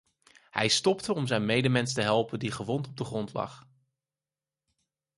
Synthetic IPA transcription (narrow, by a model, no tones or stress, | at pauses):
hɛ̰jstɔptəɔmzɛjnmejdəmɛnstəɦɛlˠpəndiχəʋɔntɔb̚dəχrɔntlɑ̰χ